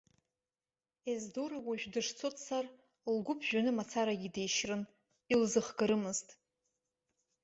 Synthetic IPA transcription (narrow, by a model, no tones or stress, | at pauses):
ezdoɾawaʒᶣdɨʂt͡sʰotʰʼsar | lɡʷʊpʰʒᶣanɨmat͡sʰaɾaɡʲide̞jʃrɨn | ilzɨχɡɨɾɨmɨztʼ